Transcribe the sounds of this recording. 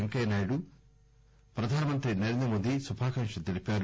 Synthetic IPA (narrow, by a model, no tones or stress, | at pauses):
ɐŋkɐjnaːjɽu | pɾɐd̪ʱaːnɐmɐnt̪ɾinɐɾend̪ɾɐmoːd̪isubʱaːkɐŋʂɐd̪elipaːɾ